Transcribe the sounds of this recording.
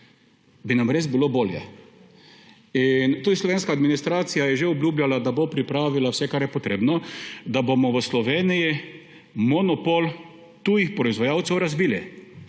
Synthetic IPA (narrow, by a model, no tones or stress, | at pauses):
binamɾezbiloboːljɛ̰ | int̪uːd̪islɔʋeːnskaːd̪minist̪ɾaːt̪sijajɛʒeɔblʲjuːbljalad̪abopɾipɾaːʋilawsɛkaɾjɛpɔt̪ɾeːbnɔd̪abomɔʋəslɔʋeːniji | mɔnɔpol | t̪ujixpɾɔizʋajaːwt̪sɛwɾazbiːli